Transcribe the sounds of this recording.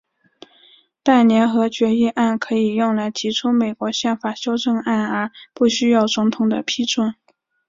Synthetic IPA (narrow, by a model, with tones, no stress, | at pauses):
t̪a˥˩ɪnjɛ˧˥nxɤ˧˥t͡ɕɥɛ˧˥i˥˧ʔa˥˩nkʰɤ˧˥i˨˩jʊ˥˩ŋla˧˥ɪt̪ʰi˧˥ʈ͡ʂʰu˥me˨˩ɪkwɔ˧˥ɕjɛ˥˩nfa˨˩ɕjo˥ʊʈ͡ʂɤ˥˧ŋa˥˩nə˞˧˥pu˥˩ɕy˥jɑ˥˩ʊt͡sʊ˧˥ŋt̪ʰʊ˨˩ŋd̪ə̰˦pʰi˥ʈ͡ʂwə˥˩n